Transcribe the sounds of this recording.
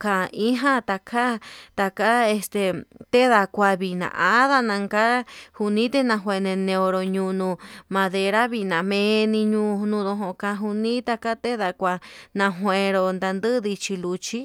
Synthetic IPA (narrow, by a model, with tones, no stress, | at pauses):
kã˨i˦ɦã˦t̪a˧kʰa˦t̪a˧ka˦e˧st̪e˨t̪e˦ða˧kʷa˧βi˧˨nã̰˨ʔa˦ða˦nã˧ŋka˦hu˧nĩ˦t̪e˦nã˧ɦwe˧nẽ˧nẽ˧o˧ɾo˧ɲũ˧nũ˧mã˧ðe˧ɾa˦βi˧nã˨mẽ˧nĩ˧ɲũː˧nũ˧ðõ˧ɦõ˧˨kã˧ɦu˧nĩ˦t̪a˧ka˦t̪e˦ða˧kʷa˧nã˧ɦwʷẽ˨˧ɾo˧nd̪a˧nd̪ɨ˦ði˧t͡ʃi˧lu˧t͡ʃi˦